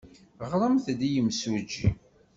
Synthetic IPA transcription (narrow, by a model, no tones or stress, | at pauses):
ʁɾˤəmθd̪ijəmsud͡ʒḭ